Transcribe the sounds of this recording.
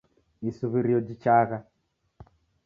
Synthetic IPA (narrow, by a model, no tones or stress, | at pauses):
isuβiɾiɔd͡ʒit͡ʃaɣa